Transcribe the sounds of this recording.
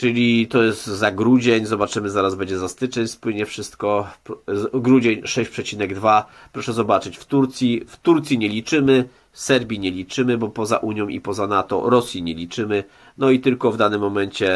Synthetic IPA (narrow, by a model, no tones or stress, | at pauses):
t͡ʂɘlʲit̪ɔjɛst̪zaɡɾud͡ʑɛɲzɔbat͡ʂɘmɘzaɾazbɛɲd͡ʑɛzast̪ɘt͡ʂɛɲspwɘɲɛfʂɘst̪kɔ | ɡɾud͡ʑeɲʂɛɕpʂɛt͡ɕinɛɡd̪va | pɾɔʂɛzɔbat͡ʂɘt͡ɕft̪uɾt̪sʲjift̪uɾt̪sʲiɲɛlʲit͡ʂɘmɘ | sɛɾbʲiɲɛlʲit͡ʂɘmɘbɔpɔza̰ʔuɲjɔ̃w̃ʔḭpɔzanat̪ɔ̰ɾɔsʲjiɲɛlʲit͡ʂɘmɘ | nɔit̪ɘlkɔvd̪anɘmːɔmɛnt͡ɕɛ